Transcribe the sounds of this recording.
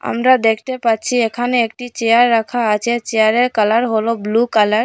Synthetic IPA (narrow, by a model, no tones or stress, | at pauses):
a̰mɾad̪ekʰt̪epatːt͡ɕʰiekʰaneek̚ʈit͡ɕejaɾːakʰaat͡ɕʰet͡ɕeaɾeɾkalaɾɦoloblukalaɾ